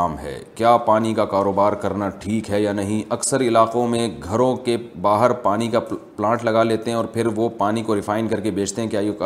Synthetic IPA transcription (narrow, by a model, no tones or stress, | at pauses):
aːmɦɛ̰ːkjaːpaːnikakaːɾoːbaːɾkɐɾnaʈʰiːkɦɛjanɐɦĩɐksəɾɪlaːqõmẽɡʱɐɾõkebaːɦəɾpaːnikaplãːʈlɐɡaleːt̪eɦɛ̃ɔːɾpʰɪɾʋopaːnikoɾɪfʰaːɪnkɐɾkebeːt͡ʃʰt̪eɦɛ̃kjaːj